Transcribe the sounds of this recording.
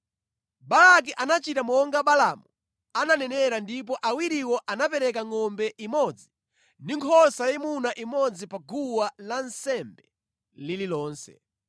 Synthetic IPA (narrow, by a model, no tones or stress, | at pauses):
balak̬iʔanat͡ʃitamɔŋɡaɓalamu | ananɛnɛɾandip̬ɔʔawiɾiwɔʔanapɛɾɛkaŋɔmbɛʔimɔd͡zi | ndiŋkʰɔsajimunaʔimɔd͡zipaɡuwalansɛmbɛ | lililɔːnsɛ̰